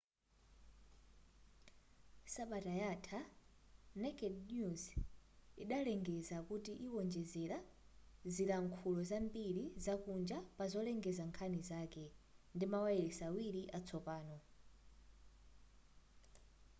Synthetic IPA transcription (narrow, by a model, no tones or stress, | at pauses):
saɓatajatʰa | nɛkɛdnjuz | iɗalɛŋɡɛzakutiʔiwɔnd͡ʒɛzɛɾa | ziɾaŋkʰulɔzambiɾizakund͡ʒapazɔlɛŋɡɛzaŋkʰanizaːkɛndimawaɛɛsawiɾiʔat͡sʰɔpaːnɔ